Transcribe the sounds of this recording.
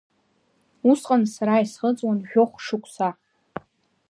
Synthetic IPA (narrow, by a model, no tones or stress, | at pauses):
usqʼansaɾaisχət͡sʼwanʒᶣoχʷʂɨkʷʰʼsa